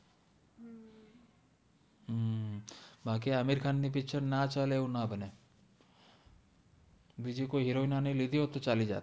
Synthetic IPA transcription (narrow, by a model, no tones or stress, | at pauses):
bakiamiɾkʰannipit͡ʃʰənat͡ʃaleunabʱəne | bid͡ʒikoɦiɾoinanəjlid̪ʱiɦot̪ot͡ʃalid͡ʒa̰ːt̪